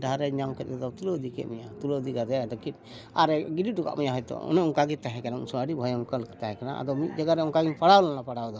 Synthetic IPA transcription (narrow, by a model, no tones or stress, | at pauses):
daɾɛɲawkɛt̪ɛd̪ɔt̪ulod̪ikɛ̰t̪̚mijat̪ulod̪iɡad̪ɛd̪ɔkit̪̚ | aɾɛɡididuka̰ʔmijaɦɔjt̪ɔ̰ɔ̰nɔuŋkaɡit̪aɦɛkanaṵnsɔəɽibʱɔjɔmkəlkɛt̪aɦɛkana̰ʔa̰d̪ɔmit̪̚ˀd͡ʒaɡaɾɛuŋkaɡinpaɽawlɔnapaɽad̪ɔ